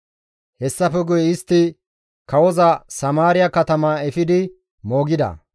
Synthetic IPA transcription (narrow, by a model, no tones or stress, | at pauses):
hɛsːɐfɛɡʊjɛɪst̪ːɪ | kɐwɔzɐsɐmaːɾɪjɐkɐt̪ɐmaːɛfɪd̪ɪ | mo̞ːɡɪd̪ɐ̰